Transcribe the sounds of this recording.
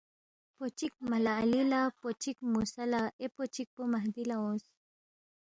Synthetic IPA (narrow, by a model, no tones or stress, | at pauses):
pot͡ʃik̚malaːlilapot͡ʃikmusalaʔepot͡ʃik̚pomaɦd̪ilaõs